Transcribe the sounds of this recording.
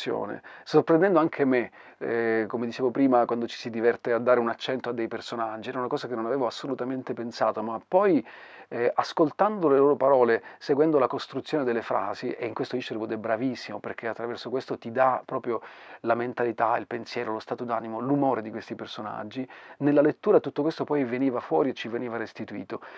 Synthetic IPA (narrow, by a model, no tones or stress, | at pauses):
jo̰ːnḛsorpɾẽnd̪ɛnd̪oaŋkʰeme | komed̪it͡ʃeːvopɾiːmakwand̪ot͡ʃi̥sid̪ivɛrt̪ead̪ːaːɾeunat͡ʃːɛnt̪oad̪ːejpersonad͡ʒːiɛːɾaunakɔːzakenːonaveːvoasːolut̪ament̪epensaːt̪omapːɔj | askolt̪and̪oleloːɾopaɾɔːleseɡwɛnd̪olakost̪ɾut̪sjoːned̪elːefɾa̰ːziʔeiŋkwest̪oiʃeɾevod̪ɛbːɾavisːimoperk̟ʰeat̪ːɾavɛrsokwest̪ot̪id̪apɾɔːpɾjolament̪alit̪ailpensjɛːɾolost̪aːt̪od̪aːnimolumoːɾed̪ikwest̪ipersona̰d͡ʒːinelːalet̪ːuːɾat̪ut̪ːokwest̪opɔjveniːvafwɔːɾiet͡ʃːiveniːvarest̪it̪uḭːt̪o